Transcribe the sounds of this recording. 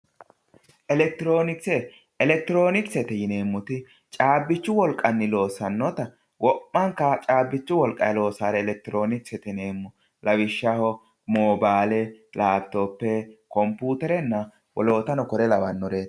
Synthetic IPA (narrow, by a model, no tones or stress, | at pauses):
ʔɛlɛk̚t̪ɪɾo̞ːnɪksɛ | ɛlɛk̚t̪ɪɾo̞ːnɪksɛt̪ɛjɪne̞ːmːʊt̪ɪ | t͡ʃʼaːbːɪt͡ʃːʊwɔlkʼːɐnːɪlo̞ːsɐnːɔt̪ɐ | wʔɔpːɐŋkːɐt͡ʃʼaːbːɪt͡ʃːʊwɔlkʼɐɛlo̞ːsaːɾɛːlɛk̚t̪ɪɾo̞ːnɪksɛt̪ɛne̞ːmːʊ | lɐwɪʃːɐhɔ | moːbaːlɛlʔaːbt̪opːɛkɔmpuːt̪ɛɾɛnːɐ | wɔ̰lo̞ːt̪ɐnɔkɔɾɛlɐbɐnːɔɾeː